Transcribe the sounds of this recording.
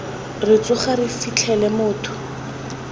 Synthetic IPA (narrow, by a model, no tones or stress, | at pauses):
rɪt͡sʼʊχarɪfit͡ɬʰɛlɛmʊːtʰʊ̥